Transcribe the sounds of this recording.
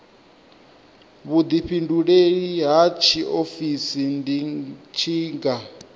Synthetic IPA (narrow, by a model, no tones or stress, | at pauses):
βud̪iɸʰinduɺeɺiɦat͡ʃʰiʔofisindit͡ʃʰiːŋɡa